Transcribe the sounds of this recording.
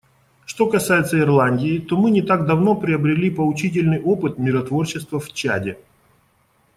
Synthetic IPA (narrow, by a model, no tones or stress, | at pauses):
ʂt̪o̞kɐsajɪt̪səɪrlˠanʲdʲɪːt̪o̞mɨnʲɪt̪aɡ̚d̪ɐvno̞pɾʲɪəbɾʲɪlʲipəlˠʊt͡ɕit̬ʲɪlʲnɨjʔo̞pɨt̪mʲɪɾɐt̪vo̞rt͡ɕːɪst̪vəft͡ɕa̰dʲɪ